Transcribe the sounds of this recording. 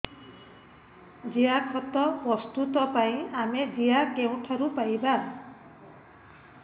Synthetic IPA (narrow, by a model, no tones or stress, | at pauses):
d͡ʒijakʰɔt̪ɔpɾɔst̪ut̪ɔpaĩamed͡ʒiakew̃ʈʰɔɾupajba